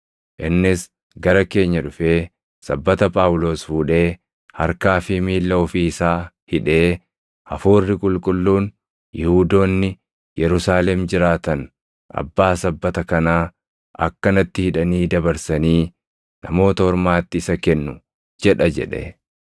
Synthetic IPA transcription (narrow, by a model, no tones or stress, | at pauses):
ʔɪnːɪs | ɡɐɾɐke̞ːɲːɐᶑʊfe̞ː | sɐbːɐt̪ɐpʼaːwʊlo̞ːsfuːᶑe̞ː | hɐ̰ɾkaːfɪmiːlːɐɔfiːɪsaː | hɪᶑe̞ː | ɐfuːrːɪkʼʊlkʼʊlːuːn | jɪhuːd̪o̞ːnːɪ | jɛɾʊsaːlɛmd͡ʒɪɾaːt̪ɐn | ʔɐ̰bːaːsɐbːɐt̪ɐkɐnaː | ɐ̰kːɐnɐt̪ːɪhɪᶑɐniːd̪ɐbɐɾsɐniː | nɐmo̞ːt̪ɐhɔɾmaːt̪ːɪːsɐkɛnːʊ | d͡ʒɛᶑɐd͡ʒɛ̰ᶑɛ̰